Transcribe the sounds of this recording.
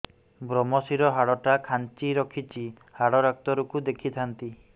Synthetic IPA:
bɾɔmɔsiɾɔɦaɽɔʈakʰant͡ʃiɾɔkʰit͡ʃi | haɽɔɾak̚t̪ɔɾukud̪ekʰit̪ʰant̪i

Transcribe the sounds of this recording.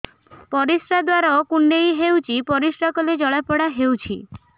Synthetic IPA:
pɔɾisɾad̪waɾaɔkuɳɖejɦewt͡ʃʰipɔɾisɾakɔled͡ʒɔɭapɔɽaɦewt͡ʃʰḭ

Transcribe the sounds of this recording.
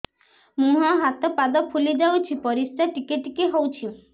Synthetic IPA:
mũɦɔɦat̪ɔpad̪ɔpʰulid͡ʒawt͡ʃʰipɔɾisʈaʈikeʈikiɦowt͡ʃʰi

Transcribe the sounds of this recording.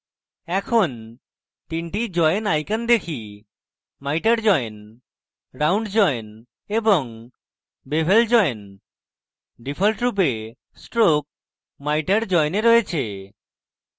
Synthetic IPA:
ɛkʰon | t̪inʈid͡ʑɔjnajkand̪ekʰi | majʈaɾd͡ʒɔen | ɾawɳɖd͡ʒɔjen | ebɔŋ | bebʱeld͡ʒɔjen | ɖipʰɔlʈɾup̬e | sʈɾok̚ | majʈaɾd͡ʒɔjneɾojet͡ɕʰe

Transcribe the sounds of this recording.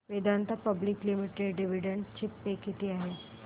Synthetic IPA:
ʋed̪ʱant̪apəbliklimiʈeɖɖiʋiɖəɳɖt͡ɕipːekit̪iaɦe

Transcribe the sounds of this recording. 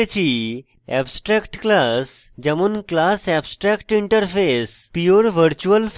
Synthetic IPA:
et͡ɕʰi | ɛbsʈɾɛkʈklas | d͡ʑəmunklasɛbsʈɾɛkʈiɳʈəɾfʰespijoɾʋəɾt͡ɕuəlf

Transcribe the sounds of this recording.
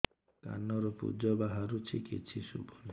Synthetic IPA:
ka̰nɔɾɔpṵd͡ʒɔbaɦaɾut͡ʃʰikit͡ʃʰisṵbɔl

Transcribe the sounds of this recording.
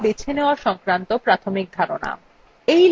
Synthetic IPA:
bit͡ɕʰeneoaʃɔŋkɾant̪opɾat̪ʰomik̚d̪ʱaɾona̰ | ejl

